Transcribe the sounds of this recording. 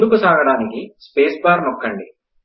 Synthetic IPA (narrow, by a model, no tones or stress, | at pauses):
lukusaːɡɐɽaːnikispe̞ːsbaːɾnɔkːɐɳɖi